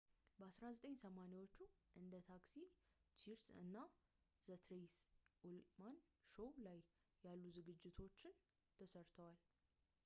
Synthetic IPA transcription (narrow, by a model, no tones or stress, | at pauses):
bəasɾazət̪ʼəɲːsəmanewo̞t͡ʃːuʔɨnd̪ət̪ʰaksit͡ʃiɾsɨ̰nːaz̥ət̪ʰɾejsʔulmanʃowlajː | alːuzɨɡɨd͡ʒːɪt̪ʰo̞t͡ʃːɪn | t̪ʰəsəɾt̪ʰəwal